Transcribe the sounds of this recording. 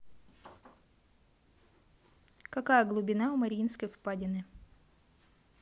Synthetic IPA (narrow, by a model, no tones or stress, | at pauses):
kɐkajəɡlˠʊbʲɪnaʊmɐɾʲinskəjfpadʲɪnɨ